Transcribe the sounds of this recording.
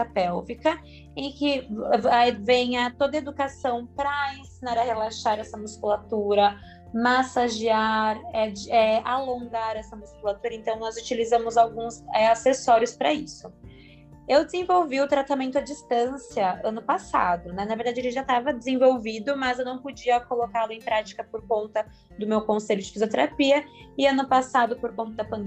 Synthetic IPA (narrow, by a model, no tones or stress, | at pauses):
tɐpɛwvikɐ | ẽkɪavẽj̃ɐt̪od̪ɐed̪ukasɐ̃w̃pɾɐẽsinaɾɐhelaʃaɾɛsɐmuskulat̪uɾɐ | masaʒiaɾɛd͡ʒɛalõŋɡaɾɛsɐmuskulat̪uɾɐẽnt̪ɐ̃w̃nɔzut͡ʃilizɐ̃mʊzawɡũsɛasesɔɾiʊspɾɐisʊ | ewd̪ezẽvowviʊt̪ɾat̪amẽnt̪ʊɐd͡ʒist̪ɐ̃siɐɐ̃nʊpasa̰d̪ʊnɛnɐveɾd̪ad͡ʒɪelɪʒat̪avɐd̪ezẽvowvid̪ʊmɐzewnɐ̃w̃pod͡ʒiɐkolokalʊẽj̃pɾat͡ʃi̥kɐpoɾkõnt̪ɐ | d̪ʊmewkõsejʎʊd͡ʒɪfizot̪eɾapiɐɪɐ̃nʊpasad̪ʊpoɾkõnt̪ɐd̪ɐpɐ̃nd̪